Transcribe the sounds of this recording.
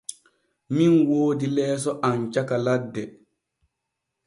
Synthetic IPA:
minwoːdilɛːs̬ɔʔant͡ʃakaladːɛ

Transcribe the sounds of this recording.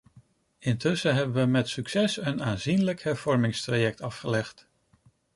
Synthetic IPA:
ɪntɵsəɦɛbənʋəmɛtsyksɛsənaːnzinləkhɛɹv̥ɔɹmɪŋstrajɛk̚tɑfχəlɛχt

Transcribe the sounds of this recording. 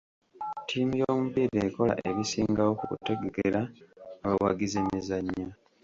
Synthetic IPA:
tʰiːmijo̞ːmuβiɾeko̞la̰ʔeβisiːŋɡawokṵte̞ɡeɡeɾaːβawa̰ɡizeɲezaɲːa

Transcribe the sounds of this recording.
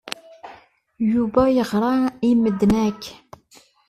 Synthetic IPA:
jubɑjəʁɾˤɑiməd̪næk

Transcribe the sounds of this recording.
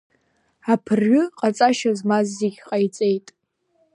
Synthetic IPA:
apʰɨrɥʊqʼat͡sʼaʃazmazːeɡʲqʼajt͡sʼe̞jtʼ

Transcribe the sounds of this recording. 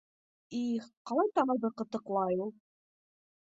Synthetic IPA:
iqɑlˠɑjt̪ɑɴɤ̆ðɤqɤ̆t̪ɤ̆qlˠɑjulˠ

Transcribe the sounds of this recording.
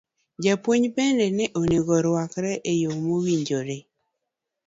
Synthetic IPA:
d͡ʒapwoɲpɛndɛnɛʔoneɡɔɾwakɾɛʔejomowiɲd͡ʒoɾe

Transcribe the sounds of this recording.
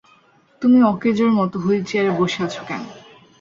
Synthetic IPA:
t̪umiɔked͡ʑoɾmɔt̪oɦoet͡ɕʰiɛɾeboʃeat͡ɕʰo̥kɛ̰no

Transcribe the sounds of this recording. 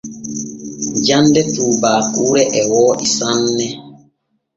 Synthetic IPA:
d͡ʒandɛtuːbaːkuːɾɛʔɛwɔːʔisanːɛ

